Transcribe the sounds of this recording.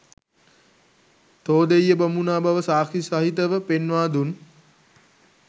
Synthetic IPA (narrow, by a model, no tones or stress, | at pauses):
t̪oːd̪ejːəbɐmunaːbaʋəsaːkʰisaɦit̪əʋəpenʋaːd̪un